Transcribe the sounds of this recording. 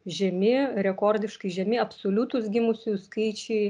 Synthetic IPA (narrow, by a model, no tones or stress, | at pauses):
ʒʲɛmʲɪɾʲɛkoːrʲd̪ʲɪʃkɐɪʒʲɛmʲɪɐpsoːlʲut̪ʊsɡʲɪmʊsʲuskɐɪt͡ʃʲɛɪ